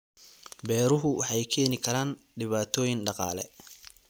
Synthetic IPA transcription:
bɛːɾʊɦʊwɑħɑjkʰɛːnɪkʰɐɾaːn | ɖɪβaːt̪ʰɔːjɪnɖɑqɑ̰ːlɛ̰

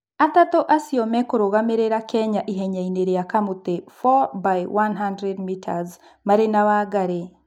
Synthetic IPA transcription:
atatoʔasiomɛkoɾoɣameɾeɾakɛɲaʔiɦɛɲaineɾejakamutefɔbajwanɦandɾɛdmitʰa̰z | maɾenaβaɡaɾe

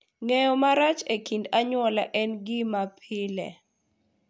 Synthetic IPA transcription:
ŋɛjɔmaɾat͡ʃekindaɲwɔla̰ʔɛnɡɪmapʰɪlɛ̰

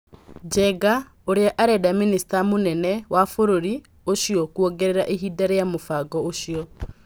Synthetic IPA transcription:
d͡ʒɛɡa | oɾeaʔaɾɛdaministamonɛnɛwafoɾoɾi | oʃiɔkuɔɡɛɾeɾaʔeɦidaɾejamofaɡɔoʃiɔ

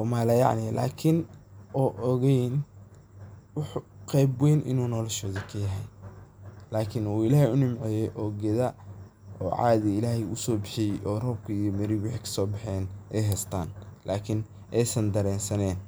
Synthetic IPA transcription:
ɔmaːlɐjɑ̰ʕnɪlʔa̰ːkʰɪnʔɔːʔɔɣɛjn | wɑħqɛjbwɛːnʔɪ̰nuːnɔːlɛʃɔːðɐkʰɐjɐɦɛj | laːkʰɪnuːɪlaːhɪʊnɪmʕɛjɛjʔɔːɡɛðɐ | ɔːʕɑ̰ːðɪɪlaːhɛʊsɔːbɪħijɛʔɔːrɔb̚kʰɐijɔmɐɾiwɑħikʰɐ̥sɔːbɑħɛːnʔɛjɦɛst̪ʰaːnlʔaːkʰɪn | ʔɛjsɐnd̪ɐɾɛːnsɐnɛːn

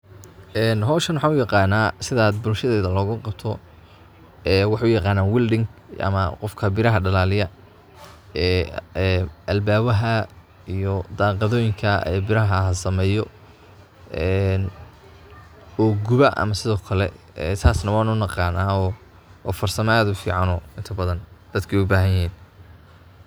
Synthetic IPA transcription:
ʔɛːnɦɔːʃɐnwɑħɑːnʊjɑqɑːnaːsɪðaːd̪bʊlʃɐðɛːðɐlɔːɣʊqɑb̚t̪ʰɔ | ɛːwɑħɑʊjɑqɑːnaːnwɪlɖɪŋɡʔɐ̰mɐqɔfkʰɐbɪɾɐɦɐɖɐlaːlɪjɐ | ɛːɛʔɐlbaːβɐɦɐ | ijɔd̪aːqɑðɔːjɪŋkʰɐɛ̰ːbɪɾɐɦɐɦɐsɐmɛːjɔ | ɛn | ɔːɡʊβɐʔɐ̰mɐsɪðɔːkʰɐlɛ̰ | ɛ̰ːt̪ʰaːsnɐwɑːnʊnɑqɑːnaːɔː | fɐrsɐmad̪ʊfḭːʕɑnɔɪnt̪ʰɐbɐðɐnd̪̥ɐd̪kʰɛʊbaːɦɐjɐɦiːn

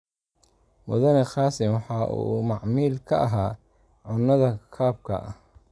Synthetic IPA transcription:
mʊ̰ðɐnɛxɑːsɪmwɑħɑːʔṵmɑʕmiːlkʰɐʔɐɦaː | ʕʊnːɐðɐkʰaːb̚kʰɐ̰ʔɐ̰

